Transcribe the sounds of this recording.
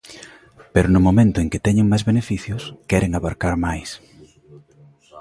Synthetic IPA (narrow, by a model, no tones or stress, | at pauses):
peɾʊnʊmomẽnt̪ʊeŋkɪt̪ɛɲeŋmajzβenefiθjʊskɛɾʔeŋaβaɾkaɾmajs